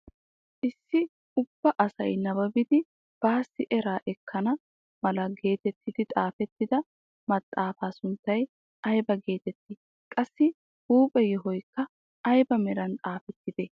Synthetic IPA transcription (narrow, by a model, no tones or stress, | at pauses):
ʔɪsːɪ | ʊb̥ːɐʔɐsɐ̰jnɐbɐbɪd̪ɪ | b̥aːsːɪʔɛɾaːʔɛkːɐnɐ | mɐlɐɡe̞ːt̪ɛt̪ːɪd̪ɪt̪ʼaːfɛt̪ːɪd̪ɐ | mɐt̪ʼːaːfaːsʊnt̪ːɐj | ɐjbɐɡe̞ːt̪ɛt̪ːɪ | kʼɐsːɪ | huːpʼɛjɔɦɔjkːɐ | ɐjbɐmɛɾɐnt̪ʼaːfɛt̪ːɪd̪̥ɛ